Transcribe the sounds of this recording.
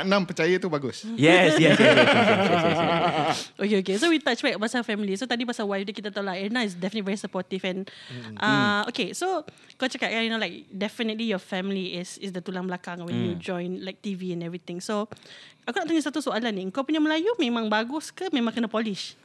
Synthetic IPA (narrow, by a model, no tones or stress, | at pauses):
anãmpət͡ʃajət̪ubaɡʊsjɛsjɛs | ʔokeokesowit̪at͡ʃbakpasafɛmilisot̪adipasawajfdəkit̪at̪alakɛ̃nːawɪts̬dɛfiənətlivɛɹisəpɔt̪ifɛ̃nʔaokesokat͡ʃakat̪̚kajinolaɪk̚dɛfənət̪lijɔfɛmiliɪsɪsd̪ət̪ulãŋbəlakãŋwɛ̃njud͡ʒɔ̃jnlajk̚t̪iviɛ̃nɛvɹit̪ɪ̃ŋsoʔakunaʔt̪aɲəsat̪usoalanːĩə̃ŋkawpuɲaməlajumẽmãŋbaɡʊskəmẽmãŋkənəpɔliʃ